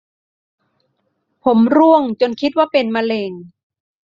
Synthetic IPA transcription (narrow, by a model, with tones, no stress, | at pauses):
pʰo˩˦mɾu˥˩əŋt͡ɕo˧nkʰi˦˥t̪̚waː˥˩pe˧nma˧leː˧ŋ